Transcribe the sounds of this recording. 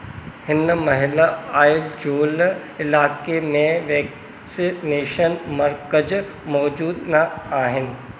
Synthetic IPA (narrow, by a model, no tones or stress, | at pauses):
hɪnmɐɦɪlaaːɪld͡ʑoːl | ɪlaːkemẽʋeːk | sɪneːʃənmɐɾkəd͡ʑ | mɔːd͡ʑuːd̪naaːɦɪnɪ̆